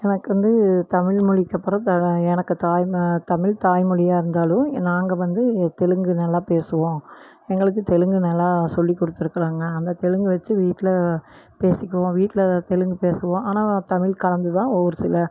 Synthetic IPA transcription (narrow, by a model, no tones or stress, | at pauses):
ɛnɐkːɯʋɐnd̪ɯt̪ɐmɪɭmʊɻɪkːɐpːɐɾɐt̪ɐɛnɐkːɯt̪aːjt̪ɐmɪɭt̪aːjmʊɻɪjaːɪɾɯnd̪aːlʊ̃naːŋɡɐʋɐnd̪ɯt̪ɛɻɯŋɡɯnɐlːaːpeːsɯʋõː | ɛŋɡɐɭɯk̬ːɯt̪ɛɻɯŋɡɯnɐlːaːsɔlːikːɔɽɯt̪ːɪɾɯkːɐɾaːŋɡɐːnd̪ɐt̪ɛɻɯŋɡɯʋɐt͡ʃːɯʋiːʈːɪlɐ | peːsɪkːɐʋõːʋiːʈːɪlɐt̪ɛɻɯŋɡɯpeːsɯʋõːʔaːnaːt̪ɐmɪɭkɐɻɐnd̪ɯt̪ãːɔʋːɔɾɯsɪlɐ